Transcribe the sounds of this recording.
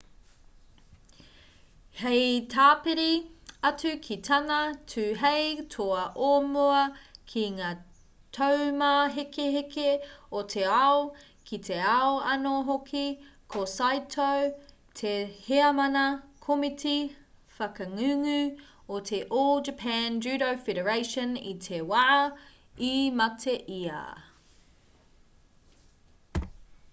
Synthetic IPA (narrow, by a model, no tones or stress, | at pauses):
hejtʰaːpeɾiɐt͡sʉkʰit̪ʰɐnɐtʰʉːɦejtʰoɐʔomoɐkʰiŋaː | tʰowmaɦekeɦekeotʰeɐo | kʰit̪ʰeɐoɐnoɦokʰikʰosajtʰow | t̪ʰeheɐmɐnɐkʰomitʰi | fɐkɐŋʉŋʉ | ot̪ʰeʔoːlˠd͡ʒəpʰænd͡ʒʉːɾowfeɾəɹeɪʃə̃nḭt̪ʰewɐɐ | imɐtʰeʔiɐ̰